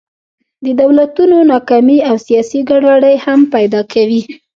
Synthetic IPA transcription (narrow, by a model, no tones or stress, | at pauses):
d̪əd̪awlat̪unonɑkɑmiawsijɑsiɡaɽwaɽəjhampajd̪ɑkʰawi